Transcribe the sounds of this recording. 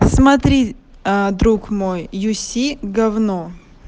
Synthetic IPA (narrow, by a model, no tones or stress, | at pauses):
smɐt̪ɾʲid̪ɾukmojːʊsʲiɡɐvnɔ